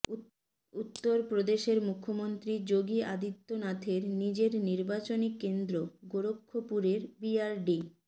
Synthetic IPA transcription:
ut̪ːoɾpɾod̪eʃeɾmukʰːomont̪ɾid͡ʑoɡiad̪it̪ːonat̪ʰeɾnid͡ʑeɾniɾbat͡ɕonikend̪ɾoɡoɾokʰːopuɾeɾbiaɾɖi

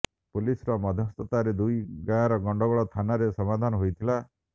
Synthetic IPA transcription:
polisɔɾɔmɔd̪ʱjɔst̪ɔt̪aɾed̪ujɡaj̃aɾɔɡɔɳɖɔɡɔɭɔt̪ʰanaɾesɔmad̪ʱanɔɦojt̪ʰila

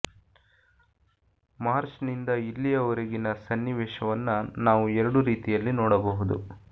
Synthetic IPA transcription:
maːɾt͡ʃnind̪ɐilːijɐɔɾɐɡinɐsɐnːiʋɛːʃɐʋɐnːɐnaːʋuɛɾɐɽuɾiːt̪ijɐlːinɔːɽɐbɐɦud̪ṵ

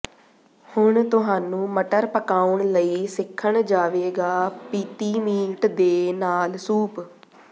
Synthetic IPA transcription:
hʊɳt̪ʊɦaːnũːməʈəɾpəkaːuɳləiːsɪkʰːəɳd͡ʒaːʋeːɡaːpiːt̪iːmiːʈd̪eːnaːlsuːp

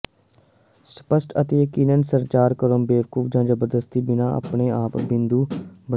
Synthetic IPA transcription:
sə̥pəsʈət̪eːjəkiːnənsəɾt͡ʃaːɾkəɾombeːʋkufʰd͡ʒãːd͡ʒəbəɾd̪əst̪iːbɪnãːʔə̰pɳeːaːpbɪ̃nd̪uːbə

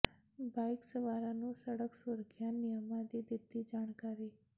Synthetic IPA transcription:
bajksəʋaɾanũːsəɽəksuɾkʰjanijəmad̪id̪id̪ːiːd͡ʒaɽ̃kaɾi

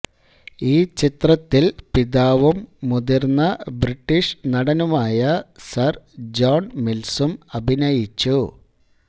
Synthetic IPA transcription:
iːt͡ɕit̪rɐt̪ːilpiðaːʋɐmːud̪irnːɐbriʈːiʂnɐɽɐnumaːjɐsɐrd͡ʑoːɳmilsumɐbʱinɐjit͡ɕːu

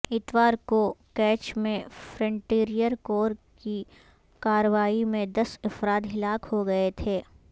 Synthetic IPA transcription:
ɪt̪ʋaːɾkokɛːt͡ʃmẽfɾə̃ɳʈeːɾijəɾkoːɾki | kaːɾəʋaːimẽd̪ɐsɪfɾaːt̪ɦɪlaːkhoɡɐet̪ʰeː

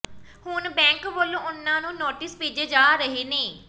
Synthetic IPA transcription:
hʊnbɛ̃ːŋkboːlõːʊnːãːnũːnoːʈɪspeːd͡ʒeːd͡ʒaːɾəɦeːneː

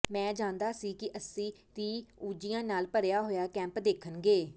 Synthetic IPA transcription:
mɛ̃ːd͡ʒãːnd̪aːsiːkɪʔəsĩːt̪iːuːd͡ʒijãːnaːlpəɾjaːɦoːjaːkɛ̃ːmpd̪eːkʰənɡeː

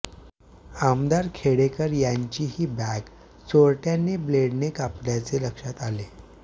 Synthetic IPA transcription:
amd̪aɾkʰeɽekəɾjaɲt͡ɕiːɦiːbæk | t͡soɾʈjanːebleɽnekapljat͡seləkʂat̪ale

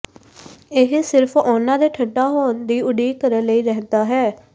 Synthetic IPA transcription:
ɪɦsɪɾpʰʊnãːd̪eːʈʰəɖaːɦoːnd̪iːʊɖiːkəɾənləiːɾɛɦnd̪aːɦɛː

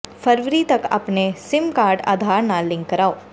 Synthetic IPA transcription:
fəɾʋɾiːt̪ɐka̰pnesɪmkaːɾɖa̰ːd̪ʱaɾnalɪ̃ŋkːəɾao

